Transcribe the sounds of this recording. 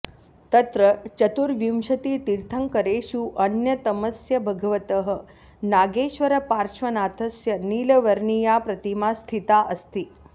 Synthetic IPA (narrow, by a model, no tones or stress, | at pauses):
t̪ɐt̪ɾət͡ʃɐt̪uɾʋjimʃɐt̪iːt̪iɾt̪ʰəŋkəɾeʃuʔɐnjɐt̪ɐməsjɐbʱɐɡɐʋət̪əɦə̆ | naːɡeːʃʋɐɾɐpaɾʃʋɐnaːt̪ʰɐsjɐniːlɐʋɐɾɳijapɾɐt̪imast̪ʰit̪aʔəst̪i